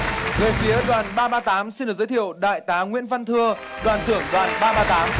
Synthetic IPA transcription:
və˨˩jfi˨˦əɗwaː˨˩nɓaː˧ɓaː˧t̪aː˨˦msi˧nɗɨ˨˩ək̚zəː˨˦jt̪ʰi˧˨ə˨wɗa̰ː˧˨jt̪aː˨˦ŋwḭ˧˥ənva˧nt̪ʰɨ˧əɗwaː˨˩ntɨ˧˩əŋɗwaː˨˩nɓaː˧ɓaː˧t̪aː˨˦m

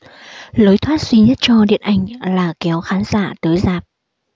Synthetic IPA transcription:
ləː˨˦jt̪ʰwaː˦˥t̚zwi˧ɲə˦˥t̚t͡ɕɔ˧ɗḭ˧˨ənʔa˧˩jŋ̟laː˨˩kɛ˨˦wxaː˨˦nzaː˧˨t̪əː˨˦jzaː˨˩p̚

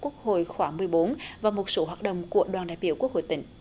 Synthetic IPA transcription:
ku˦˥ək̚ho̰˧˨jxwaː˧˩ŋmɨ˨˩əjɓo˨˦nvaː˨˩wmo˨˩t̚so˨˦ɦwaː˨˩t̚ɗə̰˧˨wŋ͡mku˧˩əɗwaː˨˩nɗaː˧˨jɓi˧˩əku˦˥ək̚ho̰˧˨jt̪ï˧˩ŋ̟

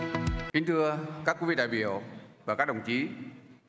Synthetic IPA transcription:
ki˨˧˦ŋ̟t̪ʰɨ˧əkaː˦˥kːvḭ˧ɗa̰ː˧˨jɓḭ˧˩˨əwvaː˨˩kaː˦˥k̚ɗə̰˧˨˩wŋ͡mt͡ɕi˨˦

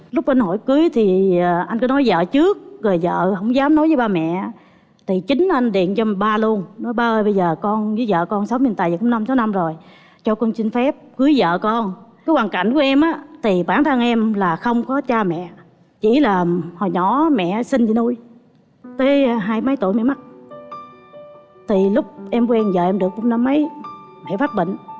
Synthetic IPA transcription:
lʊ˦˥k͡p̚ʔa˧nho̰˧˩jkɨ˨˦əjt̪ʰiː˨˩˨ʔa˧jŋ̟kɔ˨˦nɔ˨˦jzə̰ː˧˨t͡ɕɨ˦˥ək̚ɣəː˨˩jzə̰ː˧˨hə̰˧˩wŋ͡mzaː˨˦mnɔ˨˦jəː˨˦jɓaː˧mɛ̰˧˨ | t̪ʰi˨˩t͡ɕï˨˦ŋ̟ʔa˧jŋɗḭ˧˨ənt͡ɕɔ˧m˨˩ɓaː˧lu˧ənnɔ˨˦jɓaː˧ʔəː˧jɓə˧jzəː˨˩kɔ˧nzɨ˨˦zə̰ː˧˨kɔ˧nsa˨˦wɲɨ˧nt̪aː˧˨jzə˨˩kʊ̰˨˦ŋ͡mna˧msaː˨˦wna˧mzo˨˩j | t͡ɕɔ˧kɔ˧nsi˧n̟fɛ˦˥p̚kɨ˨˦jzə̰ː˧˨kɔ˧n | aː˨˦jhwaː˨˩nka̰˧˩˨ŋ̟ku˨˩˦ʔɛ˧mʔaː˨˦t̪ʰi˨˩ɓaː˧˩nt̪ʰə˧ŋʔɛ˧mlaː˨˩xə˧wŋ͡mkɔ˨˦t͡ɕaː˧mɛ̰˧˨ | t͡ɕi˧˩laː˨˩hɔ˨˩jɲɔ̰˧˩˦mɛ̰˧˨sï˧nzi˧˦nu˧j | t̪əː˨˦jɦaː˧jmə˨˦jt̪ṵ˧˨jmɛ̰˧˨ma˦˥t̚ | t̪ʰi˨˩lʊ˦˥k͡p̚ʔɛ˧mkwɛ˧nzəː˨˩ʔɛ˧mɗɨ˨˩ək̚ɓu˧ŋ͡mna˧mːə˨˦jmɛ̰˧˨faː˦˥t̚ɓḭ˧˨ŋ̟

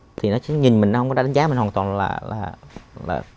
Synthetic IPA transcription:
t̪ʰi˨˩nɔ˨˦sɛ˧˥ɲï˨˩mï˨˩ŋn˨˦hə˧wŋ͡mkɔ˧˦ɗa˧˥ɗə˨˦zaː˨˦mï˨˩ŋwaː˨˩t̪ɔː˨˩nla̰ː˨˩laː˨˩la̰ː˨˩

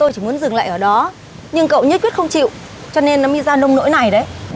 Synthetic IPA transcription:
t̪o˧jt͡ɕi˧˩mu˨˦ənzɨ˨˩ŋla̰ː˧˨ʔəː˧˩ɗɔ˨˦ | ɲɨ˧ŋkə̰˧˨wɲə˦˥t̚kwi˦˥t̚xə˧ŋ͡mt͡ɕḭ˧˨w | t͡ɕɔ˧ne˧nːɔ˨˦mi˧zaː˧lə˧wŋ͡mno̰˧˥jna˨˩jɗə˨˦j

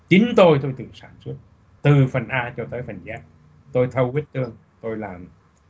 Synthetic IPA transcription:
t͡ɕi˨˦nt̪o˧jt̪o˧jt̪ɨ˨˩saː˧˩nswu˦˥ət̚ | t̪ɨ˨˩fə˨˩nʔaː˧t͡ɕɔ˧t̪əː˨˦jfə˨˩nzaː˨˦˥k̚ | t̪o˧jt̪ʰə˧wki˦˥ət̚t̪ɨ˧əŋ | t̪o˧jlaː˨˩m

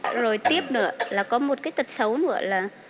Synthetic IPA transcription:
zo˨˩jt̪i˦˥əp̚nɨ̰˧˩əlaː˨˩kɔ˨˦mo˨˩t̚kaː˨˦jt̪ə˨˩t̚sə˨˦wnɨ̰˧˩˥əlaː˨˩

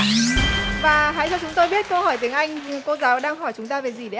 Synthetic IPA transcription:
vaː˨˩ɦa̰ː˧˥jt͡ɕa˧wt͡ɕʊ˨˦ŋ͡mt̪o˧jɓi˦˥ət̚kə˧whɔ˧˩jt̪i˨˦əŋʔa˧jŋ̟ko˧˦zaː˨˦wɗaː˧ŋɦɔ˧˩jt͡ɕʊ˨˦ŋ͡mt̪aː˧ve˨˩zi˨˩ɗe˨˦

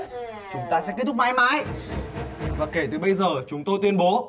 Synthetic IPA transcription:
t͡ɕʊ˨˦ŋ͡mt̪aː˧sɛ̰˧˥ki˦˥t̪ʰʊ˥k͡p̚maː˧jmaː˨˧˥j | vaː˨˩ke˧˩t̪ɨ˨˩ɓə˧jzəː˨˩t͡ɕʊ˨˦ŋ͡mt̪o˧jt̪wi˧ənɓo˨˦

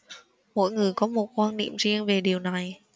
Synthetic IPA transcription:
mo̰˧˨jŋɨ˨˩əjkɔ˨˦mo˨˩t̚kwaː˧nnḭ˧˨əmzi˧əŋve˨˩ɗi˨˩əwna˨˩j

